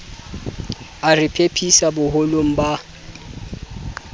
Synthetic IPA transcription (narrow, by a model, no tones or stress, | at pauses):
arɪpʰepʰisabʊɦʊlom̩ba